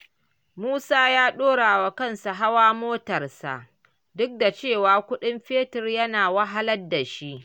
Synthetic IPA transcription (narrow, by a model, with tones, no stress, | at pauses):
muː˦saː˦jaː˦ɗoː˦ɽaː˨wa˨kɐ˦˨nsa˨ɦa˦waː˦moː˦tɐ˨rsa̰˨ʔ | dʊ˦k̚da˨t͡ʃeː˦˨waː˨kʷʊ˦ɗɪ˦mɸeː˦tɪ˨rjɐ˦naː˨wɐ˦ɦa˦lɐ˦da˨ʃi˦ʔ